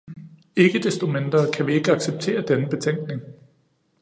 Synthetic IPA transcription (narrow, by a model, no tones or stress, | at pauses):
e̝ɡ̥əd̥esd̥o̝mend̥ʁɐːkʰæʋie̝ɡ̥əɑ̈ɡ̥seb̥̚t͡sʰe̝̰ːɐd̥enəb̥e̝t͡sʰeŋ̰ɡ̥ne̝ŋ